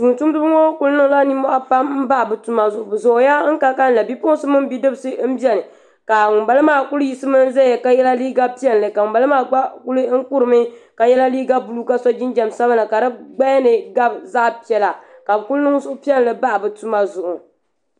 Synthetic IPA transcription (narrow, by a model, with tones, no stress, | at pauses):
tu˨n˨tu˦m˦dɨ˦bɨ˦ŋo˦ku˦lnɨ˦ŋla˦ni˦mɔ˦ʔa˦pa˦mm̩˦ba˦ʔbɨ˨tu˦ma˨zʊ˨ʔʊ˨bɨ˨zo˨˦ja˦ŋ̩˦ka˦lka˦n̩˦la˨bi˦pʊ˦n˦sɨ˦mɨ˦m˦bi˦dɨ˦bɨ˨˦sɨ˦m̩˦bi˦ɛ˦nɨ˨ | ka˨ʊ˨ba˦lɨ˦maː˦˨ku˦lji˦sɨ˦mɨ˦n˦za˦ɛ˨ka˦jɛ˦la˦liː˦ɡa˦pi˦ɛ˦n˨lɨ˨ka˨ba˨lɨ˦maː˦ɡ͡ba˦ku˦lɨ˦ŋ̩˦ku˦ɾɨ˨mɨ˦ka˨jɛ˦la˦liː˦ɡa˦bu˨lu˦ka˦sɔ˦d͡ʒɪ˦nd͡ʒɛ˨msa˦ba˦nɨ˨ka˨dɨ˦ɡ͡ba˦jnɨ˨ɡa˦bza˦ʔpi˨ɛ˨la˨ka˨bɨ˨ku˦lnɨ˦ŋ˦zʊ˦ʊ˦pi˦ɛ˦n˨lɨ˨ba˦ʔbɨ˨tu˦ma˦zʊ˨ʔʊ˨